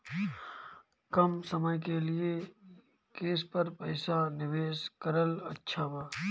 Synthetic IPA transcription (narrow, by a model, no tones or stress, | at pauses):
kɐmsəməjkelɪe | keːspəɾpəɪsanɪʋeːʃkəɾəlɐ̰tːʃʰabaː